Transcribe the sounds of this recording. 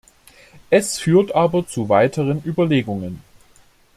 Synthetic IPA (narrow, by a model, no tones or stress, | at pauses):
ʔɛsfyːɐtʔaːbɐt͡suvaɪtʰəʁənʔyːbɐleːɡʊŋən